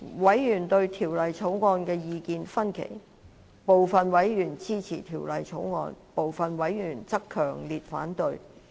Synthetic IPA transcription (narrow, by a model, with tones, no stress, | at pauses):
wɐ˨˥jjyː˨˩nt̪ɵ˧ɥt̪ʰiː˨˩wlɐ˨jt͡sʰo˨˥wŋɔː˧nkɛː˧jiː˧kiː˧nfɐ˥nkʰḛ˨˩j | po˨wfɐ˨nwɐ˨˥jjyː˨˩nt͡siː˥t͡sʰḭː˨˩t̪ʰiː˨˩wlɐ˨jt͡sʰo˨˥wŋɔ̰ː˧npo˨wfɐ˨nwɐ˨˥jjyː˨˩nt͡sɐ˥kʰːœː˨˩ŋliː˨t̚fa̰ː˨˥nt̪ɵ˧ɥ